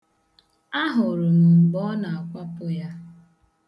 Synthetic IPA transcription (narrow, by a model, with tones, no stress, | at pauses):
a˦ɦʊ˨ɾʊ˨m̩˨ɡ͡bɔ˦na˨a˨kʷa˦pʊ˦ja˦